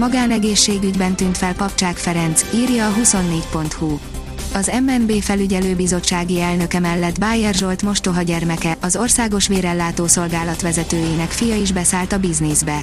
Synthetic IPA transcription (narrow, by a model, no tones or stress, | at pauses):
mɒɡaːnɛɡeːʃːeːɡyɟbɛnt̪yːnt̪fɛlpɒpt͡ʃaːkfɛɾɛnt̪siːrjɒːɦuso̞nːeːcpo̞n̪t̪hu | ɒzɛmɛnbeːfɛlyɟɛløːbizo̞t͡ʃːaːɡiɛlnø̞kɛmɛlːɛd̪baːjɛrʒo̞lt̪mo̞ʃt̪o̞ɦɒɟɛrmɛkɛɒzo̞rsaːɡo̞ʃʋeːɾɛlːaːt̪oːso̞lɡaːlɒt̪ʋɛzɛt̪øːjeːnɛkfijɒiʒbɛsaːlt̪ɒbiznizbɛ